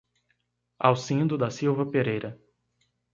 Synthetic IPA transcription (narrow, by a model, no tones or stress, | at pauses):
awsĩd̪ʊd̪ɐsiwvɐpeɾejɾɐ